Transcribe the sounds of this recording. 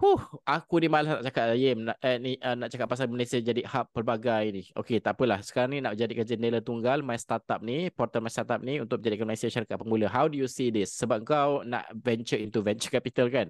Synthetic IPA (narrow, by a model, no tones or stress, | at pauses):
huhʔakunimalasnaʔt͡ʃakat̪ajɪmnaʔəniənaʔt͡ʃakat̪̚pas̬alməlesiəd͡ʒadihapːərbaɡajinio̰ket̪apəlahsə̥kaɾaŋninaʔ̚d͡ʒadikəd͡ʒənelət̪uŋɡalmajst̪at̪ap̚nipɔrt̪əlmãjst̪at̪ap̚niunt̪ʊk̚əd͡ʒadikanmalesiəʃaɾakat̪̚pəŋbuləɦawdujusidɪsːəbap̚əŋkawna̰ʔvɛnt͡ʃəint̪uvɛnt͡ʃəkapit̪alkan